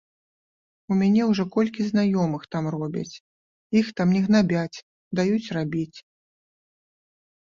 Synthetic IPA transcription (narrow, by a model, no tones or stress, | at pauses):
umʲanʲɛwʐɔkɔlʲkʲiznajɔmɨxt̪amrɔbʲɐ̰t͡sʲ | ixt̪amnʲɛɣnabʲat͡sʲ | d̪ajut͡sʲrabʲit͡sʲ